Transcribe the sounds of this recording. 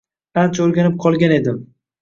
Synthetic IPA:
ant͡ʃʰaoɾɡʲanɪp̚qʰɒlˠɡʲane̞d̪ɪm

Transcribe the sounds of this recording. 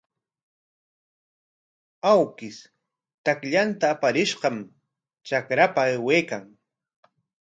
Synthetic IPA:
awkɪs | t̪akʎant̪aːpaɾɪʃɢɑm | t͡ʃakɾapaeweːkaŋ

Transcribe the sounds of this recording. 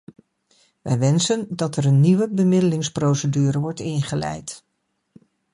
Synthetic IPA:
ʋɛjʋɛnsəndɑtɛɾənːiʋəbəmɪdəlɪŋsprowsədyːɾəʋɔɹtɪnχəlɛ̰jt

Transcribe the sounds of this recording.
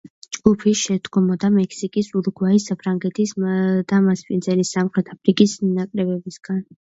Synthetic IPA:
d͡ʒɡupʰiʃɛd̪ɡɔmɔd̪amɛkʰsikʼisuɾuɡwaisːapʰɾaŋɡɛt̪ʰisd̪̥amaspʼinzɛlisːamχɾɛt̪ʰapʰɾikʼisnakʼɾɛbɛbisɡ̥an

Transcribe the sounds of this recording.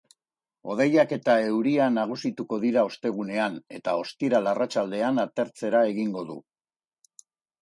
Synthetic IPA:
o̞ð̞e̞jake̞t̪ae̞wɾianaɣ̞usit̪uko̞ðiɾao̞st̪e̞ɣ̞une̞ane̞t̪ao̞st̪iɾalarat͡ʃald̪e̞anat̪e̞ɾt͡se̞ɾae̞ɣiŋɡo̞ðṵ

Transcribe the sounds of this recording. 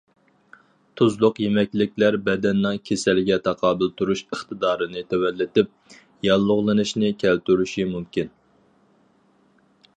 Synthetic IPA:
t̪ʰuzlˠʊqjemɛkʲlɪkʲlæɾbɛd̪ɛnːɨŋkʲʰesɛlɪɡʲɛt̪ʰɑqʰɑːbɨlˠt̪ʰuɾuʃəχt̪ɨd̪ɑːɾɨnɨt̪ʰɛwɛlːɪt̪ɪp̚ | jɑlˠːʊʁlˠɨnɨʃnɪkʲʰɛlt̪yɾyʃimumkʲin

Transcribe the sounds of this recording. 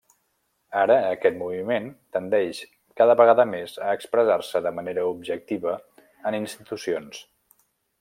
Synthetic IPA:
aɾəːkɛt̪muβiment̪ənd̪ɛʃ | kaðəβəɣaðəmezəːkspɾəzarsəðəməneɾəub̚ʒək̚t̪iβə | əninst̪it̪usions

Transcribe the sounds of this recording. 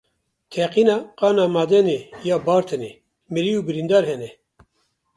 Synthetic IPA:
t̪ʰɛqiːnɑːqɑːnaːmaːd̪ɛneːjɑːbɑːɾt̪ʰɨne | miɾiuːbɨɾind̪ɑːɾɦɛnɛ

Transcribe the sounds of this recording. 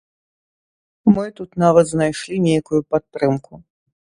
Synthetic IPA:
mɨt̪ut̪navɐt̪znajʂlʲinʲejkujupat̪ːɾɨmku

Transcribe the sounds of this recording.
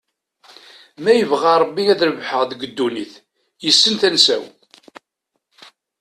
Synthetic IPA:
mæjəvʁaɾˤəbːiæðɾəvħəʁðɡəd̪ːuniθ | jəsːənθænsæ̰w

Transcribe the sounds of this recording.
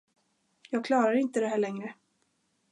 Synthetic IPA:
jɑːɡ̚kʰlɑːɾaɾɪnt̪əd̪ɛɦæːɭɛŋɾə

